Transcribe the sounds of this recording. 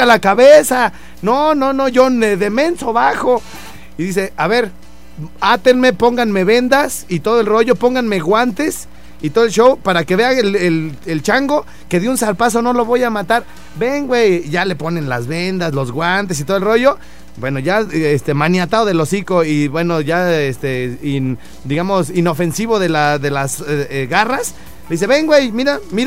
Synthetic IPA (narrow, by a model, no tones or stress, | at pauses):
alakaβesa | nononoʝoneðemensoβaxo | iðis̬eaβeɾ | at̪enmepo̞ŋɡanmeβe̞nd̪asit̪oðoelro̞ʝo̞po̞ŋɡanmeɣwant̪e̞s | it̪oðelʃowpaɾakeβealelelt͡ʃaŋɡo | ke̞ðjunsaɾpas̬o̞no̞lo̞βojamat̪aɾ | be̞ŋɡwejʝale̞po̞ne̞nlazβe̞nd̪aslo̞zɣwant̪̬e̞s̬it̪o̞ðelroʝo̞ | bwe̞no̞ʝaest̪e̞manjat̪aðoðe̞lo̞siko̞iβwe̞no̞ʝaest̪ein | d̪iɣamo̞sino̞fe̞nsiβo̞ðelaðelasɣaras | eðis̬e̞βe̞ŋɡwejmiɾamiɾa